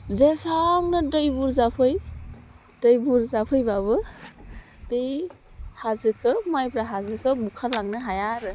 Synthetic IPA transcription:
zesaŋnɯdɯjbuɾzapʰɯj | d̥ɯjbuɾzapʰɯjbaβɯ | dej | hazɯkʰɯmajbɾaɦazɯkʰɯbukʰalaŋnɯɦajaɾɯ

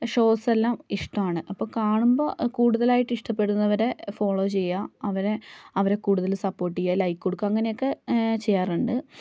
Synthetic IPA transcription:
ʂo̞ːselːaːmiʂʈɐmaːɳɨʔɐpːoːkaːɳumbo̞̰ːkuːɽuðɐlaːjiʈːɨiʂʈɐpːe̞ɽunːɐʋɐɾe̞fo̞ːɭo̞ːt͡ɕe̞jːaɐʋɐɾe̞ɐʋɐɾe̞kuːɽuðɐlsɐpːo̞ːʈ̬ːijɐlɐjkɨko̞ɽukːaːɐŋːɐne̞jokːe̞t͡ɕejːaːruɳɖɨ

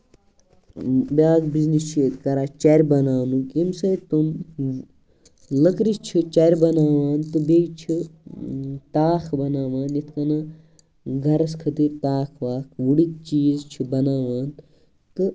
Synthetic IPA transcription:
bʲaːkbiznist͡ʃʰet̪kɐɾaːt͡ʃɐɾʲbɐnaːnukimsɐjt̪um | lɐkɾist͡ʃʰit͡ʃɐɾʲbɐnaːʋaːnt̪ɨbeːɡt͡ʃʰi | t̪aːkʰbɐnaːʋaːnjit̪ʰkɐnɐ | ɡʱɐɾɐskʰɐt̪iɾt̪aːkʰʋaːkʰʋuɽit̪̚t͡ʃiːzt͡ʃʰibɐnaːʋaːn | t̪ɨ

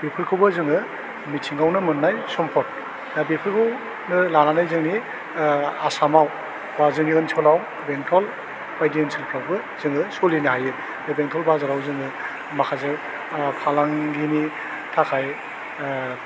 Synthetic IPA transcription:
b̥epʰɯɾkʰɯwbɯzɯŋɯ | mitʰiŋawnɯmɯnːajsɔmpʰɔt̚ | nabepʰɯɾkʰɯw | nɯlananajzɯŋni | asamaw | bazɯŋiɯnsʰɔlaw | beŋtʰɔl | b̥ajdiɯnsʰilpʰɾawbɯ | zɯŋɯsɔlinɯɦajɯ | nabeŋtʰɔlbazaɾawzɯŋɯ | makʰazɯ | pʰalaŋɡini | tʰakʰaj

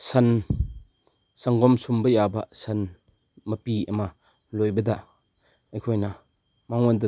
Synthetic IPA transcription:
sɐn | sɐŋɡɔmsumbɐjabɐsɐn | mɐpiɐ̰mɐ | lojbɐdɐ | ɐjkʰojnɐ | mawŋondɐ

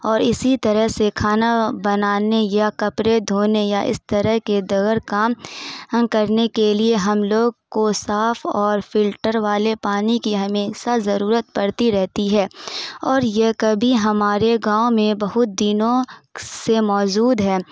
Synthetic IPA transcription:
ɔːɾɪsit̪ɐɾəɦsekʰaːnabɐnaːnejakɐpɾed̪ʱoːnejaʔɪ̰st̪ɐɾəɦked̪ɐɡəɾkaːm | kɐɾnekelieɦɐmloːɡkosaːfɔːɾfɪlʈəɾʋaːlepaːnikiɦɐmeːsazɐɾuːɾət̪̚pɐɽt̪iɾɛɦt̪iɦɛːɔːɾjekɐbʱiɦɐmaːɾeɡãːomẽbɐɦʊt̪̚d̪iːnõsemɔːd͡ʒuːd̪ɦɛː

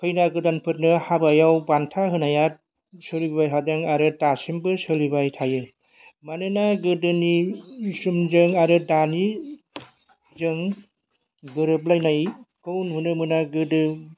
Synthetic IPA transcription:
kʰɯjnaɡɯdanpʰɯt̚nɯhabajawbantʰaɦɯnajat̚ | sɯlibbajɦʰadaŋaɾɯtasimbɯsɯlibajtʰajɯ | manɯnaɡɯdɯnisumzɯŋaɾɯdani | zɯŋ | bɯɾɯp̬lajnajkɯwnhunɯmɯnaɡɯdɯ

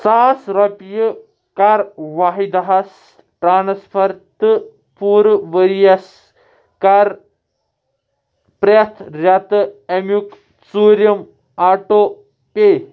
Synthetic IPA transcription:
saːsɾopjɨ | kaɾʋaɦid̪ɐɦɐs | ʈɾaːnspʰɐɾt̪ɨ | puːɾʋəɾijɐs | kaɾ | pɾɐt̪ʰɾʲɐt̪ɨemjuk | suːɾjɐm | aːʈoː | pe

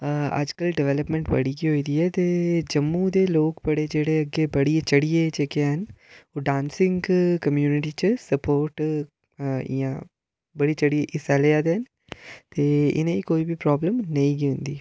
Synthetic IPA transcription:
ɐ̰d͡ʒkəlɖɪʋɛːləpmɛ̃ɳʈbə̰ɽiːkiɦoːiːd̪iːɛːt̪eːd͡ʒəmːud̪eːloːkpəɽed͡ʒeːɽeəɡːebəɽiet͡ʃəɽijet͡ʃeːkeɦənoːɖãːnsɪ̃ŋɡkəmjuːnɪʈiːt͡ʃsəpoːɾʈ | ɪ̰jãː | bəɽit͡ʃəɽieʔɪsalejaːd̪eɦən | t̪eːɪ̰nẽiːkoːibipɾɔːbləmnəĩːɡiɦʊ̃nd̪iː

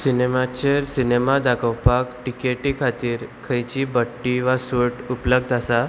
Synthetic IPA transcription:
sinemat͡ɕeɾsinemad̪akʰəwpakʈikeʈikʰat̪iːɾkʰəjt͡ɕibəʈːiʋasuɾʈupləɡ̚d̪ʱasa

